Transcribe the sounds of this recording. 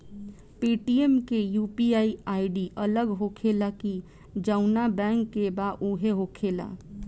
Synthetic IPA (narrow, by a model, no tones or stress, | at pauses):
piʈiemkejupiaiaiɖiʔələɡɦokʰelaki | d͡ʒəʊnabɛ̃ŋkːebaʔuɦeɦokʰela̰